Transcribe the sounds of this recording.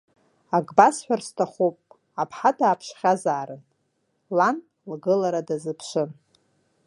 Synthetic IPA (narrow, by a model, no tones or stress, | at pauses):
aɡbasħʷᶣarstʰaχʷupʼ | apʰħadaːpʰʂχʲazaːɾɨn | lan | lɡɨlaɾadazɨpʰʃʷɨn